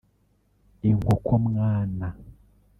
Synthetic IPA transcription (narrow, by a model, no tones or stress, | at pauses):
iŋɡɔkʰom̩ŋaːna